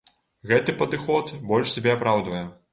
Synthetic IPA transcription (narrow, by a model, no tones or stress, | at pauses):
ɣɛt̪ɨpɐd̪ɨxɔt̪bɔlʲʂsʲabʲɛapɾawd̪vɐjɛ